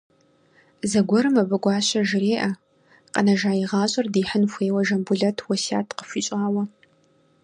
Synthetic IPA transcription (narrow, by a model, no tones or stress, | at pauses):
zɐɡʷɔɾɨmɐbɨɡʷɑːɕɐʒɪɾeːʔɐ | qʼənɐʒaːjiʁɑːɕʼɐrdiːħənxʷeːwɐʒɐmbuɮɐtʰwɐsa̰ːtʰqə̥fʷiːɕʼaːwɐ